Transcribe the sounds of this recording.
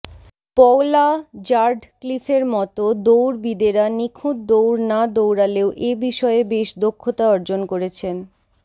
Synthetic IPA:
pɔolad͡ʑaɾɖklifʰeɾmɔt̪od̪owɾbid̪eɾanikʰud̪d̪owɾnad̪owɾaleoʔebiʃɔebeʃd̪okʰːot̪aɔɾd͡ʑonkoɾet͡ɕʰen

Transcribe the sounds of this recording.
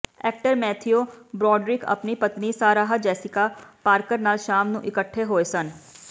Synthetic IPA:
ɛːk̚ʈəɾmɛːt̪ʰijobɾɔːɖɾɪkɐ̰pnipɐt̪nisaːɾaːɦad͡ʒɛːsikapaːɾkəɾnaːlʃaːmnṵ̃ʔɪkəʈʰːeɦoːesɐn

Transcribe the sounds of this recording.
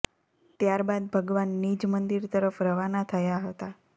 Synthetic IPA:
t̪jaɾbad̪̚bʱəɡʋanːid͡ʒmənd̪iɾt̪əɾəfɾəʋanat̪ʰəjaɦət̪a

